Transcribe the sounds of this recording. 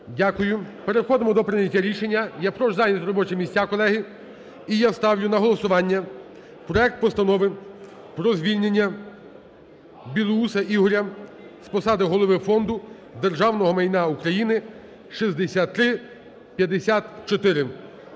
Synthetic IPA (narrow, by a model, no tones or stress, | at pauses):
dʲakʊjʊpe̞ɾexɔd̪ɪmɔd̪ɔpɾɪnʲjɐtʲːaɾʲiʃenʲːɐjapɾɔʒzɑnʲisɾɔbɔt͡ʃɪmʲisʲakɔlˠɛɦɪ | ijast̪ɑwjʊnɐɦɔlˠɔsʊʋɑnʲːɐ | pɾɔɛk̚t̪̚pɔst̪ɐnɔʋɪ | pɾɔzʲʋʲilʲnʲenʲːɐ | bʲilˠusɐʔiɦɔɾʲɐ | spɔsɑd̪ɪɦɔlˠɔʋɪfɔnd̪ʊ | d̪erʒɑwnɔɦɔmɐjnaukɾɐjinɪ | ʃizd̪esʲat̪ːɾɪ | pʲjɐd̪esʲat̪t͡ʃɔt̪ɪɾɪ